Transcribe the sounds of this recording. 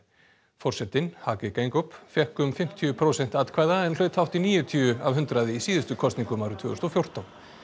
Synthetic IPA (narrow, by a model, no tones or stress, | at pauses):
fɔr̥sɛt̪ɪnhaːkɪkejŋkʏpfjɛhkʏmfɪm̥t̪ʰiʏpʰɾowsɛn̥t̪at̪kʰvajðaɛnl̥œːt̪ʰawht̪iniːjʏt̪ʰiːʏavɦʏnt̪ɾaðɪisiːðɪst̪ʏkʰɔst̪niŋkʏmawɾʏt̪ʰʏːɣʏst̪ɔfjowr̥t̪an